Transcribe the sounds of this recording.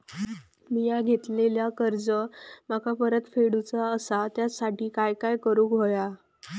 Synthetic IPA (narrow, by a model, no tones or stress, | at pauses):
mijaɡʱet̪leljakəɾd͡zəmakapəɾət̪feɽut͡saəsat̪jasaʈiːkajkajkəɾuːkɦoja